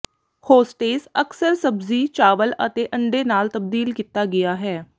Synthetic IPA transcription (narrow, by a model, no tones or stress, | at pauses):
hoːsʈeːsəksəɾsəbziːt͡ʃaːʋələ̰t̪eːʔə̃ɳɖeːnaːlt̪əb̚d̪iːlkiːt̪ːaːɡɪaːɦɛː